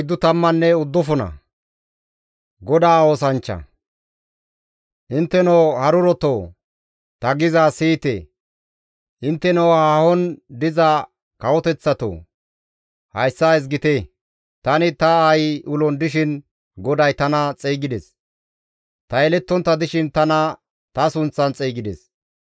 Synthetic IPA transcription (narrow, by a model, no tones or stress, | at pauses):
d̪ːʊt̪ɐmːɐnːɛʊd̪ːɔfɔnɐ̰ | ɡɔd̪aːoːsɐnt͡ʃːɐ̰ | ʔɪnt̪ːɛnoːhɐɾʊɾɔt̪oː | t̪ɐɡɪzaːsiːt̪ḛ | ʔɪnt̪ːɛnɔwhahɔnd̪ɪzɐ | kɐwɔt̪ɛt͡sːɐt̪o̰ː | hɐjsːaɪs̬ɡɪt̪e | t̪ɐnɪt̪ɐajʔʊlɔnd̪ɪʃɪn | ɡɔd̪ɐjt̪ɐnɐt͡sʼiːɡɪd̪ɛs | t̪ɐɛlɛt̪ːɔnt̪ːɐd̪ɪʃɪnt̪ɐnɐ | t̪ɐsʊnt͡sːɐnt͡sʼɛːɡɪd̪ɛ̰s